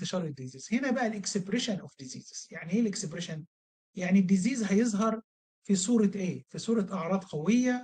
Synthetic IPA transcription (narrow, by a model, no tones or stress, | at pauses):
t̪ɪʃɑɾˤɪd̪iziːz̥henæbæʔælʔeksebɾeʃænʔʊfd̪ɪzḭːzz̥jaʕniʔeːlʔeksebɾeʃæn | jaʕnid̪ːɪziːzɦæjezˤɦɑɾˤ | fisˤuːɾˤɑʔeːfisˤuːɾˤɑʔɑʕɾˤɑːd̪ˤqæwejːæ